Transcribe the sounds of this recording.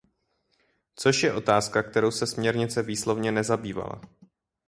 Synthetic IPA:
t͡so̞ʃjɛʔo̞t̪aːskak̚t̪ɛɾo̞wsɛsmɲɛɾɲɪt͡sɛviːslo̞vɲɛnɛzabiːva̰la̰

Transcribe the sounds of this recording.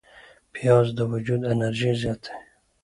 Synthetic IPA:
pʰijɑzd̪əwud͡ʒud̪enaɾʒizjɑt̪ʰe̥

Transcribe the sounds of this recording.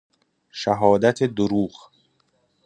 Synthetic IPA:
ʃæɦɒːd̪æt̪ʰed̪oɾuːɣ

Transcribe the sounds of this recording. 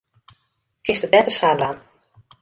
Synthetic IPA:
kɪstəbɛtəsaːblaːn

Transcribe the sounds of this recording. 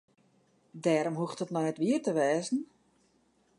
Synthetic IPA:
dɛːɾomɦuxtətnɔnɛtʋiətəʋɛːzn̩

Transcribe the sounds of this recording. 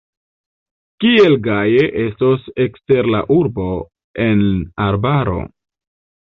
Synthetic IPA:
kie̞lɡaje̞ʔe̞stose̞kste̞ɾlaʔuɾbo̞ | e̞naɾbaɾo̞̰

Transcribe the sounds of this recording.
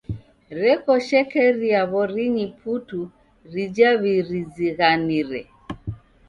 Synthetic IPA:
ɾɛkɔʃɛkɛɾiaβɔɾiɲipʰutu | ɾid͡ʒaβiɾiziɣaniɾɛ̰

